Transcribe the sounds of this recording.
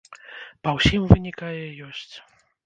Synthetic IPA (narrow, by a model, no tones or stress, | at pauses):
pɐwsʲimvɨnʲikajɛjɔsʲt͡sʲ